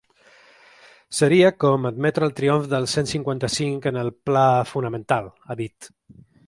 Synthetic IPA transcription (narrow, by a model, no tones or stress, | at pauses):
səɾiəkɔməd̪mɛt̪ɾəlˠt̪ɾioɱfðəlˠsensiŋkwant̪əsiŋkənəlˠplafunəmə̃nt̪alˠaðit̪